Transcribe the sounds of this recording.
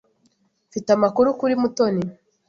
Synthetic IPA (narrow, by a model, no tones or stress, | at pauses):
fitamakuɾukuɾimuto̞ni